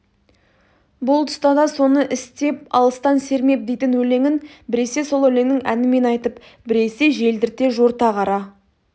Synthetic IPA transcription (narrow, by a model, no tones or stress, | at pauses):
bʊlˠt̪ʰʊ̥st̪ɑd̪ɑso̞nəʔɪst̪e̞p̚ɑ̰lˠəst̪ɑnse̞ɾme̞p̚d̪e̞jt̪ɪnwɵle̞ŋɪnbɪɾe̞se̞so̞lˠɵle̞ŋnɪŋænɪme̞nɑjt̪əp | bɪɾe̞se̞ʒe̞ld̪ɪɾt̪e̞ʒoɾt̪ɑqʰɑɾɑ